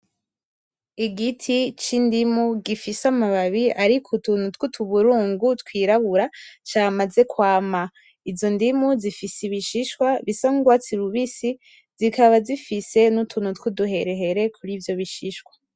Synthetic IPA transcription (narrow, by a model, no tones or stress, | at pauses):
iɡitʰit͡ʃindimuɡifisamaβaβiaɾikʰutuːnhutkutʰuβuɾuːŋɡutkwiːɾaβuɾat͡ʃamaze̞kwaːma | izo̞ndimuzifisiβiʃiʃwaβisaŋuɡwat͡siɾuβisi | z̥ikʰaβazifise̞nutʰuːn̥hutkuduɦe̞ɾe̞ɦe̞ɾe̞kʰuɾiːvjo̞βiʃiʃkwḁ